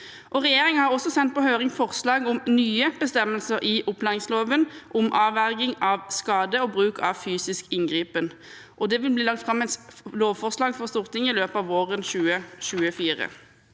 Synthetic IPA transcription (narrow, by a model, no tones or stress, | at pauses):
ʔɔːʁɛjeːʁɪŋhɑʁɔsɔsɛnt̪̚pɔhøːʁɪŋfɔʁslɑːɡʊmnyːəb̥əst̪ɛmːəlsəʁʔɪʔʊplænɪŋsloːʋənʔʊmʔɑːʋæʁɡɪŋɑʋskɑːd̪əoːbʁʉːkʰɑʋfyːsɪskɪŋɡʁiːpən | ʔɔd̪ɛʋɪlbliːlɑk̚t̪fʁɑmɛsloːʋfɔʁslɑːɡfɔʁst̪uːʁt̪ʰɪŋɪløːpɑːʋoːʁənʃʉːəʃʉːəfiːʁə̰